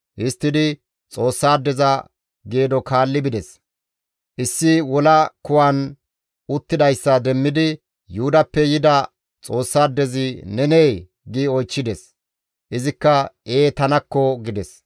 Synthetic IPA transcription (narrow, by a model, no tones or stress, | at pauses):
ʔɪst̪ːɪd̪ɪ | t͡sʼo̞ːsːaːd̪ːɛzɐ | ɡeːd̪ɔkʰaːlːɪbɪd̪ɛs | ʔɪsːɪwɔlɐkʊwɐn | ʊt̪ːɪd̪ɐjsːɐd̪ɛmːɪd̪ɪ | jʊʊd̪ɐpːɛjɪd̪ɐ | t͡sʼo̞ːsːaːd̪ːɛzɪnɛnej | ɡɪɔjt͡ʃːɪd̪ɛs | ʔɪzɪkːɐe̞ːt̪ɐnɐkːɔɡɪd̪ɛs